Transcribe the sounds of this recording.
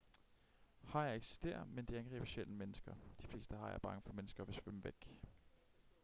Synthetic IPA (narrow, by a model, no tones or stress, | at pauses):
hɑ̈jɑ̈ɪeɡ̥si̥sd̥e̝̰ːɐðˠmend̥eænɡ̥ʁḭːb̥ɕel̰əmenəsɡ̥ɐd̥i̥fle̝ːsd̥əhɑ̈jæ̰b̥ɑ̈ŋəfɒ̽menəsɡ̥ɐʋe̝sʋøməʋeɡ̥